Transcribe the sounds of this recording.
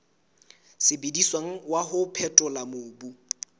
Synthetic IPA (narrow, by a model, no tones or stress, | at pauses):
sɪbediswaŋ̩waɦʊpʰɛtʼʊlamʊːbu